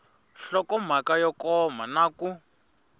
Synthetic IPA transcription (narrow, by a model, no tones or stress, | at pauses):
ɬɔkɔm̤akajɔkɔm̤anaku